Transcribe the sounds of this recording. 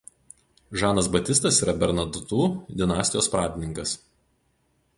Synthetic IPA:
ʒɑːnɐs̬bɐt̪ʲɪst̪ɐsiːɾɐbʲɛɾnɐd̪ʊt̪uːd̪ʲɪnɑːsʲt̪ʲɪjoːspɾɑːd̪ʲɪnʲɪŋkɐs

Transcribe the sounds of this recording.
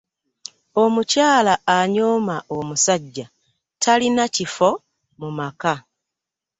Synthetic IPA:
o̞mucaːlaːɲoːmaomusaɟːa | tʰalinacifo̞ | mumaka

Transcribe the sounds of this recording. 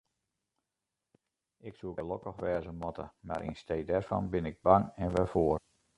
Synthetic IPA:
ɪksuɡəlɔkəxʋɛːzəmɔtə̰ma̰ɾʔḭnstejdɛrfɑ̰nbɪnɪɡ̚baŋɛnʋɛfoər

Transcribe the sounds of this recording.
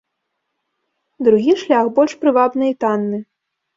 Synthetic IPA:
d̪ɾuɣʲiʂlʲaxbɔlʲʂpɾɨvabnɨit̪anːɨ

